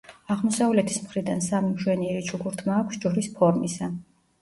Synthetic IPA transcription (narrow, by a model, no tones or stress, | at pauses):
aʁmɔsavlɛt̪ʰi̥smχɾid̪ansamimʒwɛniɛɾit͡ʃʰuɡuɾt̪ʰmaːkʷʰsd͡ʒuɾispʰɔɾmisa